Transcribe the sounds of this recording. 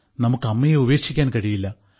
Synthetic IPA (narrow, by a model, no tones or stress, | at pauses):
nɐmukːɐmːɐjeube̞ːkʂikʲːaːnkɐɻijilːɐ